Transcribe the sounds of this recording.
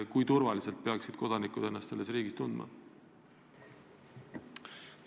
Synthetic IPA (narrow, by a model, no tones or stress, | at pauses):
kujt̪uɾvɑlise̞lt̪̚pe̞ɑksid̪̥̚ko̞d̪̥ɑnikud̪e̞nːɑst̪se̞lːesriːɡist̪und̪mɑ̰